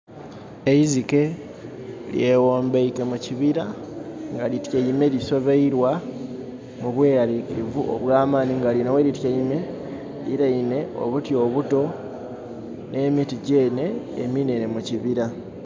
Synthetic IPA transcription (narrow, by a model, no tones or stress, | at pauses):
eizike̞ | lje̞woːmbeike̞muciβiɾaŋɡalitjeime̞liso̞βeiɾwa | muβwe̞ːɾaɾikivuʔo̰βulaːmaːniŋɡalinoweɾitjeime̞ | liɾaine̞ʔo̞̰βutjo̞ːβuto̞ | ne̞ːmitiɟe̞ːne̞ːmine̞nemuciβiɾa